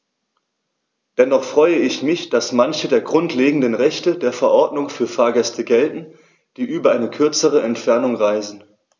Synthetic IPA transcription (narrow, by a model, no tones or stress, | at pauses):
d̥ɛnɔχfʁ̥ɔʏəɪçmɪçd̥asmançədeːɐɡʁʊntleːɡŋ̩dənʁɛçtədeːɐfɛɐʔɔɐdnʊŋfyːɐfaːɐɡɛstəɡɛltn̩ | d̥iːʔyːbɐʔaɪnəkʰʏɐt͡səʁ̞əɛntfɛɐnʊŋʁaɪzn̩